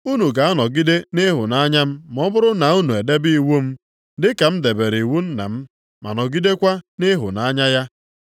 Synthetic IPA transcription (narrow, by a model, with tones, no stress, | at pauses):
u˦nu˨ka˨a˦nɔ˨ɡi˦de˦nɪ˦ɦʊ˨na˦ɲa˦m̩˦mɔ˦bʊ˦ɾʊ˦na˨u˦nu˨e˨de˦bi˦i˦wu˦m̩˦ | dɪ˦ka˨m̩˦de˨be˨ɾi˨wu˦n̩˦na̰˨m̩˦ | ma̰˨nɔ˨ɡi˦de˦kʷa˦nɪ˦ɦʊ̰˨na˨˦ɲa˦ja˦